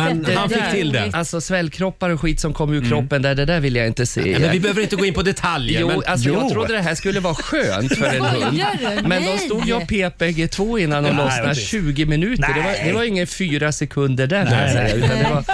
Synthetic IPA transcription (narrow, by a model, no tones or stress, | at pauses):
d̪ɛanfɪkt̪ʰɪld̪ɛ̰alsɔsvɛlːkʰɾɔpːaɾɔɧiːt̪sɔmkʰɔmːʉːkʰɾɔpːənd̪æɖɛd̪æːɾvɪlːəjaɪnt̪əsḛːɛ̰ɪbɛhøːvəɾɪnt̪əɡ̪oːɪnpɔd̪ɛt̪ʰaljjəuːalsɔjɑːɡ̪ʰɾʊd̪ːəd̪ɛɦæːʂkɵlːəvɑːɧøːnt̪fœɾɛnhɵnd̪mɛnd̪ɔst̪uːd̪jəapʰeːpɛɡet̪ʰvoːɪnːand̪ɔnlɔsnaɕʉ̟ːɡɪmɪnʉ̟ːt̪əɖɛvad̪ɛvaɾjɪŋːənfyːɾasɛkʰɵnd̪əɖæɾkʰaasɛjːaʉ̟t̪and̪ɛvaɾ